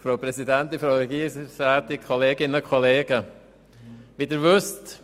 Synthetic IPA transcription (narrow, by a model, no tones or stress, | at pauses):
fɾoʊpɾɛsidɛntɪfɾoʊɛɡiːsaːtikʰɔleːɡɪnəkʰɔleːɡə | ʋidɪɾʋʏst